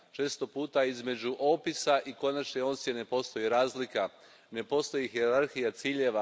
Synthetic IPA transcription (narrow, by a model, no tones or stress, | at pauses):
t͡ʃe̞ːst̪o̞puːt̪aizme̞d͡ʒuʔo̞ːpisaʔiko̞nat͡ʃneo̞nsene̞po̞st̪o̞jiɾaːzlika | ne̞po̞st̪o̞jiɦieɾaɾxijat̪siːʎe̞ʋa